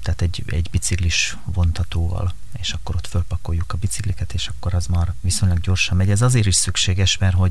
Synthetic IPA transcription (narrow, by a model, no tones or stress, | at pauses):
t̪aːt̪ɛɟɛ̰ɟbit̪sikliʃ | vo̞nt̪ɒt̪oːvɒ̰l | eːʃɒkːo̞ɾo̞t̪følpɒko̞jːukɒbit̪siklikɛt̪eːʃɒkːo̞ɾɛzmaːrʋiso̞ɲlɒɡɟo̞rʃɒmːɛɟɛzɒzeːɾiʃsykʃeːɡɛʃmɛrɦo̞ɟ